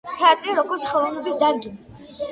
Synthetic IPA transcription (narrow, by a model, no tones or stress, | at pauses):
t̪ʰɛat̪ʼɾiaɾɔɡɔɾt̪sʰχɛlˠɛlɛbisd̪aɾɡin